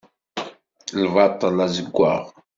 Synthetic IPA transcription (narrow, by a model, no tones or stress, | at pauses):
lvɑt̪ˤːəlazəɡʷːa̰ʁ